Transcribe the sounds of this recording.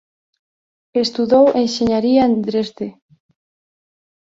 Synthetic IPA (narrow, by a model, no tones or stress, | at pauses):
est̪uðowʔenʃeɲaɾiaand̪ɾezðe